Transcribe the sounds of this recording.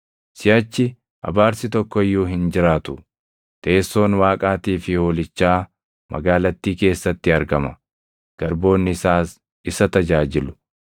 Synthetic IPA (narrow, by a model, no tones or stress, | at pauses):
sɪɐt͡ʃːɪ | ʔɐ̰baːɾsɪt̪ɔkːɔɪjːuːɦɪnd͡ʒɪɾaːt̪ʊ | t̪eːsːo̞ːnwaːkʼaːt̪iːfɪhoːlɪt͡ʃːaː | mɐ̰ɡaːlɐt̪ːiːke̞ːsːɐt̪ːɪɐɾɡɐmɐ | ɡ̥ɐɾbo̞ːnːɪsaːs | ɪsɐt̪ɐd͡ʒaːd͡ʒɪlʊ̥